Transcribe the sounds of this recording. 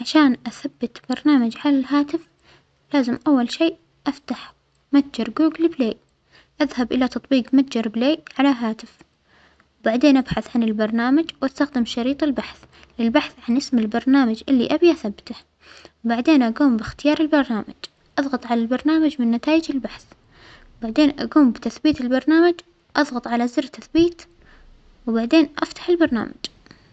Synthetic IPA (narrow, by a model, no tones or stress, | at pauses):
ʕaʃaːnʔaθabːat̪b̥ɑɾˤnaːmad͡ʒʕalalɦaːt̪ɪf | laːzɪmʔawːalʃiːʔ | ʔaft̪aħ | mat̪̚d͡ʒɑɾˤɡuːɡlbleːʔ | ʔaðhabʔɪlat̪ɑt̪ˤbiːqmat̪̚d͡ʒɑɾˤbleːʔʕalaɦaːt̪ɪf | wbaʕd̪eːnʔabħaθʕanɪlbɑɾˤnaːmad͡ʒwʔast̪axd̪ɪmʃɑɾiːt̪ˤɪlbaħθ | lɪlbaħθʕanʔɪsmɪlbɑɾˤnaːmad͡ʒʔɪlːḭʔabjʔaθabːt̪a | wbaʕd̪eːnʔaɡuːmbɪxt̪ɪjɑːɾˤɪlbɑɾˤnaːmad͡ʒ | ʔɑðˤɣɑt̪ˤʕalalbɑɾˤnaːmad͡ʒmɪnːat̪aːjɪd͡ʒɪlbaħθ | wbaʕd̪eːnʔa̰ɡuːmbɪt̪aθbiːt̪ɪlbɑɾˤnaːmad͡ʒ | ʔɑðˤɣɑt̪ˤʕalazɪɾt̪aθbiːt̪ | wbaʕd̪eːnʔaft̪ḁħɪlbɑɾˤna̰ːma̰d͡ʒ